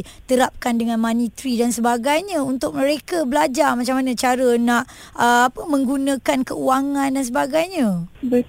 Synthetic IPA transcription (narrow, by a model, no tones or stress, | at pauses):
t̪əɾap̚kandəŋãnmãnit̪ɾidansəbaɡajɲãunt̪ʊk̚mə̃ɾekəbəlad͡ʒamat͡ʃamanə̃t͡ʃaɾənãʔ | ʔəapəmə̃ŋɡunãkankəuaŋãndans̬əbaɡajɲə̃bə